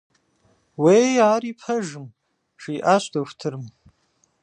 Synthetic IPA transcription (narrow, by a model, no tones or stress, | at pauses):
wejaːɾipʰɐʒɨm | ʂiːʔaɕʷdɐxʷtʰɨrm